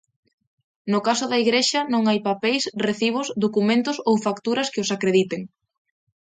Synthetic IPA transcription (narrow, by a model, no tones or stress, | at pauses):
nʊkasʊðɐiɣɾeʃɐnõŋajpapejsreθiβ̞osd̪okumẽnt̪ʊsowfakt̪uɾɐskɪosakɾeðit̪eŋ